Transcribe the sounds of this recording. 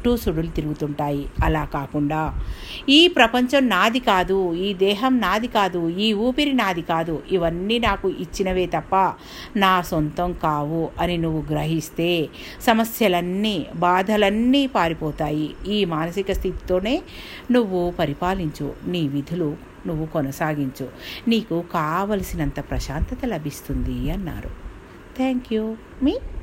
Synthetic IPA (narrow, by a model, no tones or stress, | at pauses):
ʈːuːsuɽulut̪iɾuɡut̪uɳʈaːjiɐlaːkaːkuɳɖaːiːpɾɐpɐɲt͡ʃɐmnaːd̪ikaːd̪uiːd̪ɛːɦɐmnaːd̪ikaːd̪uiːuːpiɾinaːd̪ʱikaːd̪uʔiʋɐnːiːnaːkuʔit͡ʃːinɐʋe̞ːt̪ɐpːɐ | naːsont̪ɐmkaːʋuɐninuʋːuɡɾɐɦist̪e̞ː | sɐmɐsjɐlɐnːiːbaːd̪ʱɐlɐnːiːpaːɾipɔːt̪aːjiiːmaːnɐsikɐst̪ʰit̪i̥t̪o̞ːne̞ː | nuʋːupɐɾipaːliɲt͡ʃṵniːʋid̪ʱulu | nuʋːukɔnɐsaːɡiɲt͡ʃuniːkukaːʋɐlɐsinɐnt̪ɐpɾɐʃaːnt̪ɐt̪ɐlɐbʱist̪und̪iɐnːa̰ːɾṵ | t̪ʰeːŋkju | miː